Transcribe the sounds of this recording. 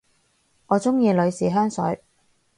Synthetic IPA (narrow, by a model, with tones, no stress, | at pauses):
ŋɔː˨˧t͡sʊ˥ŋjiː˧lɵ˨˧ɥsiː˨ɦœː˥ŋsɵ̰˨˥ɥ